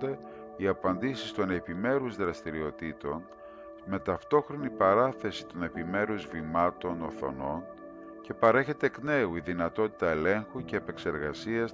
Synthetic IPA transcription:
d̪e̞ | iɐpɐnd̪isist̪o̞ne̞pime̞ɾuzðɾɐst̪iɾio̞t̪it̪o̞n | me̞t̪ɐft̪o̞xɾo̞nipɐɾɐθe̞si̥t̪o̞ne̞pime̞ɾuzvimɐt̪o̞noθo̞̰no̞n | ce̞pɐɾe̞çe̞t̪e̞kne̞uiðinɐt̪o̞t̪i̥t̪ɐele̞ŋxuce̞ːpe̞kse̞ɾɣɐsiɐs

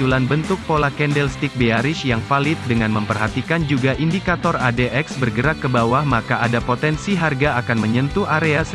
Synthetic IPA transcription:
ulanbənt̪ʊk̚polakɛndɛlst̪ik̚beaɾɪʃjaŋfalɪt̪̚dəŋanməmpərɦat̪ikand͡ʒuɡaʔindikat̪ɔradeʔɛksbərɡəɾakːəbawahmakaʔadapot̪ɛnsiɦarɡaːkanməɲənt̪uʔaɾeas

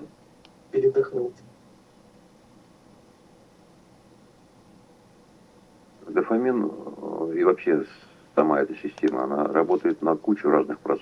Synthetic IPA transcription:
pʲɪɾʲɪd̪ɐxnulˠt̪ʲ | ɡ̪əfɐmʲin | ivɐpɕːe̞ | sɐmaɛt̪əsʲɪsʲtʲe̞mə̰ɐ̰na̰ɾɐbo̞t̪əjɪt̪nəkut͡ɕʊɾaznɨxpɾɐt̪s

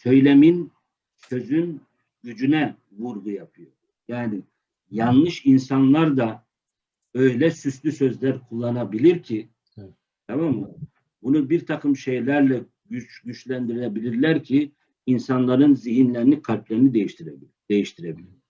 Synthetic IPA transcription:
sø̞jlʲemin | sø̞zyn | ɟyd͡ʒynɛ | vuɾɡujapʰɯjo | jaːni | janˠlˠɯʃinsanlˠaɾd̪a | ø̞jlʲɛsyslʲysø̞zlʲæɾkʰulˠːanabilʲiɾcʰi | t̪ʰamamːɯ | bunubiɾt̪ʰakʰɯmʃe̞jlʲæɾlʲɛ | ɟyt͡ʃɟyt͡ʃlʲænd̪iɾilʲɛbilʲiɾlʲæɾcʰi | insanlˠaɾɯnziɦinlʲeɾinikʰalʲplʲeɾinid̪ejiʃt̪ʰiɾɛb | d̪̥e̞jiʃt̪ʰiɾebilʲiɾ

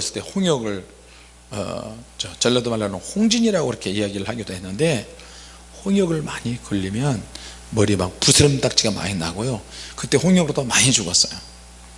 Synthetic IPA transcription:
kɯɾesʰʌ̥t͈e̞hoŋjʌɡɯɭ | ʌ̰t͡ɕʌt͡ɕʌɭːadomaɭːanɯnhoŋd͡ʑiɲiɾaɡoiɾʌkʰe̞ijaɡiɾɯɭhaɡidoɦe̞nːɯnde̞ | hoŋjʌɡɯɭmaɲikɯʎːimjʌn | mʌɾimak̚pusʰɯɾɯmt͈ak̚t͡ɕ͈iɡama̰ɲinaɡojokɯt͈e̞ɸoŋjʌɡɯɾodomaɲit͡ɕuɡʌs͈ʌjo

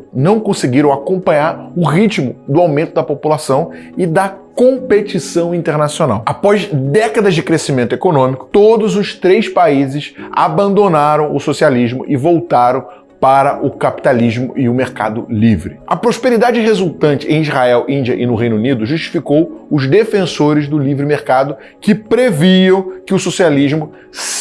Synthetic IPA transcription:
nɐ̃w̃kõsɪɡiɾɐ̃w̃akõpɐ̃ɲaɾʊʁit͡ʃmʊd̪ʊawmẽnt̪ʊd̪ɐpopulasɐ̃w̃ɪd̪ɐkõpet͡ʃisɐ̃w̃ĩnt̪eɾnasiona̰wapɔzd̪ɛkɐd̪ɐzd͡ʒɪkɾesimẽnt̪ʊekonõmikʊ̥t̪od̪ʊzʊʃt̪ɾejspaizɪʃa̰bɐ̃nd̪onaɾɐ̃w̃ʊsosialiʒmʊ̰ʔɪvowt̪aɾɐ̃w̃ | paɾɐʔʊkapi̥t̪aliʒmʊ̰ʔɪʊmeɾka̰d̪ʊ̰livɾɪɐpɾospeɾid̪ad͡ʒɪɪɦezuwt̪ɐ̃nt͡ʃɪẽj̃izʁaɛwʔĩd͡ʒiɐʔɪnʊɦẽj̃nunid̪ʊʒuʃt͡ʃi̥fikowʊzd̪efẽsoɾɪzd̪ʊlivɾɪmeɾkad̪ʊ | kɪpɾeviɐ̃w̃kɪʊsosialiʒmʊ | s

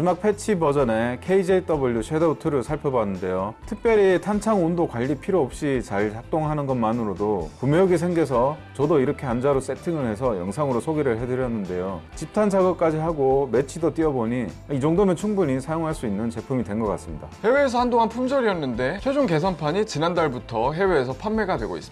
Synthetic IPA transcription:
d͡ʑimak̚pʰe̞t͡ɕʰibʌd͡ʑʌne̞kʰeid͡ʑeit͈ʌbɯɭːjuɕʰedʌutʰɯɾɯɭsʰaɭpʰjʌbanːɯnde̞jotʰɯk̚p͈jʌɾitʰant͡ɕʰaŋondokwaʎːipʰiɾoʌp̚ɕ͈it͡ɕaɭt͡ɕak̚t͈oŋɦanɯnɡʌnmanɯɾodokumejoɡis̬ʰe̞ŋɡesʰʌt͡ɕʌdoiɾʌkʰe̞and͡ʑaɾos͈e̞tʰiŋɯɭhe̞sʰʌjʌŋsʰaŋɯɾosʰoɡiɾɯɭhe̞dɯɾjʌnːɯnde̞jot͡ɕip̚tʰant͡ɕʰaɡʌk͈ad͡ʑiɦaɡome̞t͡ɕʰidot͈iʌboɲiaid͡ʑoŋdomjʌnt͡ɕʰuŋbuɲisʰajoŋɦaɭs͈uinːɯnt͡ɕe̞pʰumidwe̞nɡʌk͈a̰s͈ɯmɲida̰he̞we̞ːs̬ʰʌhandoŋanpʰumd͡ʑʌɾiʌnːɯnde̞t͡ɕʰwe̞d͡ʑuŋke̞s̬ʰʌnpʰaɲit͡ɕinandaɭbutʰʌɦe̞we̞ːsʰʌpʰanːe̞ɡadwe̞ɡo̰is͈ɯm

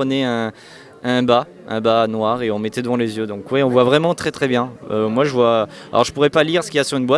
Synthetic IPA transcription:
pχənɛɛ̃ | ɛ̃ba | ɛ̰̃banwaʁeɔ̃mɛt̪ɛd̪əvɑ̃lezjød̪ɔ̃kwɛɔ̃vwavʁɛmɑ̃t̪χɛt̪χɛbjɛ̃ømwaʒəvwaalʔɔ̰ʁʒəpuʁɛpaliʁsə̥kʲijasyʁynbwat̪

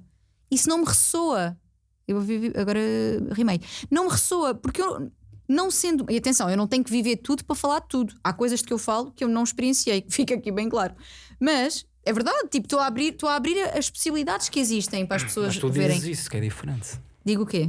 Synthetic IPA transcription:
isunɐ̃w̃mʁɨsoɐ | ewvoviɾviʔɐ̰ɣɔɾɐʁimɐjnɐ̃w̃mʁɨsoɐpuɾkewnɐ̃w̃sẽnd̪uʔiɐt̪ẽsɐ̃w̃ewnɐ̃w̃t̪ɛɲukviveɾt̪uðupɾɐfɐlˠaɾdt̪uðuakojzɐʃd̪kewfalˠukewnɐ̃w̃ʃpɾiẽsiejkfikakiβɐ̃j̃klˠaɾumɐʃ | ɛvɨɾðaðt̪ipu̥t̪oaβɾiɾt̪oaβɾiɾɐʔɐʃpu̥siβlˠiðaðʃkiziʃt̪ɐ̃j̃pɾaʃpsoɐʃt̪uveɾɐ̃j̃ziskɛ̰ðḭfɾḛ̃nt̪d̪iɣuke

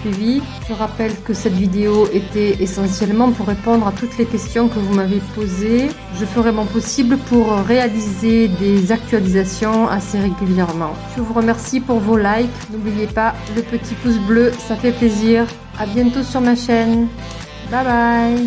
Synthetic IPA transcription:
yvi | ʒ̥əʁapɛlkəsɛt̪vid̪eoet̪ɛesɑ̃sjɛlmɑ̃puʁːepɔ̃d̪ʁat̪ut̪lekʲɛst̪jɔ̃kəvumavepoze | ʒəfəʁɛmɑ̃pɔsibləpuʁʁealized̪ezak̚t̪ɥalizasjɔ̃a̰seʁeɡʲyljɛʁmɑ̃ʒ̥əvuʁəmɛʁsipuʁvolajknublijepaləpət̪ʰipus̬bløsafɛpleziʁ | abjɛ̃t̪osyʁmaʃɛn | babaj

